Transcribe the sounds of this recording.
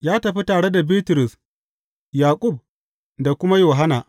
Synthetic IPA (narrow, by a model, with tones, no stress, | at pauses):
jaː˦tɐ˨ɸi˦taː˨ɽe˦da˨biː˦tʊ˨ɾʊ˨s | jaː˨kʷʼʊ˦˨b̚ | da˨kʷʊ˦ma˦joː˨ɦa˦na˨ʔ